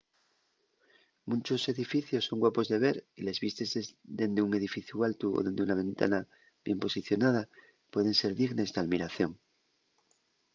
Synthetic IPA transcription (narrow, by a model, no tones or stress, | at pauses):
mũnt͡ʃo̞se̞ðifiθjo̞sːo̞ŋɡwapo̞zðe̞βe̞ɾile̞zβist̪esezd̪e̞nd̪euŋe̞ðifiθjualt̪uo̰ðe̞nd̪eunaβ̞ẽ̞nt̪a̰na | βje̞mpo̞siθjo̞nað̞a | pwe̞ð̞e̞nse̞ɾðiɣne̞zðeaðmiɾaθjo̞ŋ